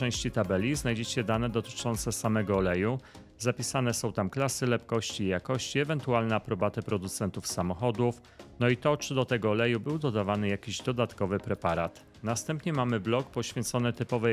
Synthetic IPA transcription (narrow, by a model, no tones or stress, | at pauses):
ɛ̃w̃ɕt͡ɕit̪abɛlʲiznajd͡ʑɛt͡ɕɛd̪anɛd̪ɔt̪ɘ̥t͡ʂɔnt̪sɛsamɛɡɔːlɛju | zapʲisanɛsɔ̃w̃t̪amklasɘlɛpkɔɕt͡ɕiːjakɔɕt͡ɕiɛvɛnt̪ualnɛapɾɔbat̪ɘpɾɔd̪ut̪sɛnt̪ufsamɔxɔd̪uf | nɔit̪ɔt͡ʂɘd̪ɔt̪ɛɡɔːlɛjubɘwd̪ɔd̪avanɘjakʲiʑd̪ɔd̪at̪kɔvɘpɾɛpaɾat̪ | nast̪ɛmpɲɛmamɘblɔkpɔɕfʲjɛ̃nt̪sɔnɘt̪ɘpɔvɛ